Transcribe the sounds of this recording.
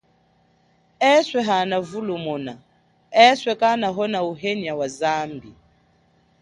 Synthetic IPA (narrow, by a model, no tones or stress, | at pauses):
ɛswɛɦanavulumɔna | ɛswɛkanaɦɔnauɦeniawazambi